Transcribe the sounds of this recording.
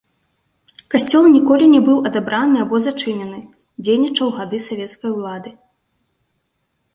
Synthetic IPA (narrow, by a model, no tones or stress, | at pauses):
kasʲt͡sʲɔlˠnʲikɔlʲinʲɛbɨwɐd̪abɾanɨabɔzat͡ʂɨnʲɛnɨ | d͡zʲejnʲit͡ʂɐwɣad̪ɨsavʲɛt̪skɐjulˠad̪ɨ